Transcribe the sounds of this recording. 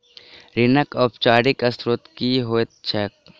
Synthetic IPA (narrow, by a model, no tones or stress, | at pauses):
ɾɪnəkɔːpt͡ʃaːɖɪkɐsɾot̪kiɦoːet̪̚t͡ʃʰɛk̚